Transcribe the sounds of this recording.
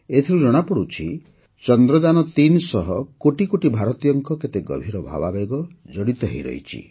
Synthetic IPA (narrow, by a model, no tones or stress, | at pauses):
et̪ʰiɾud͡ʒɔɽ̃apɔɽut͡ʃʰḭ | t͡ʃɔnd̪ɾɔd͡ʒanɔt̪insɔɦɔkoʈikoʈibʱaɾɔt̪ijɔŋkɔket̪eɡɔ̰bʱiɾɔbʱa̰babeɡɔd͡ʒɔɽit̪ɔɦḛjɾɔ̰j̰t͡ʃʰḭ